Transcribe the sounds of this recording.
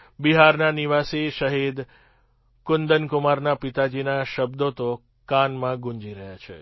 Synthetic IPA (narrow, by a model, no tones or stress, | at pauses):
biɦaɾnaniʋasiʃəɦid̪ | kʊnd̪ənkʊmaɾnapit̪ad͡ʒinaʃəbd̪ot̪o | kanmãɡũɲd͡ʒiɾəɦjat͡ʃʰḛ